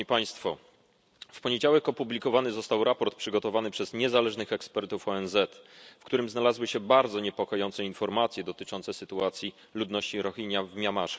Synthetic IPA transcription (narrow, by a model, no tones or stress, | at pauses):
ipaj̃st̪fɔ | fpɔɲed͡ʑawɛkɔpublʲikɔvanɘzɔst̪awɾapɔɾt̪̚pʂɘɡɔt̪ɔvanɘpʂɛzɲɛzalɛʐnɘxɛkspɛɾt̪ufɔɛnzɛt̪fkt̪uɾɘmznalazwɘɕɛbaɾd̪zɔɲɛpɔkɔjɔnt̪sɛinfɔɾmat̪sʲjɛd̪ɔt̪ɘt͡ʂɔnt̪sɛsɘt̪uat̪sʲji | lud̪nɔɕt͡ɕiɾɔxiɲjavmʲjamaʂɛ̥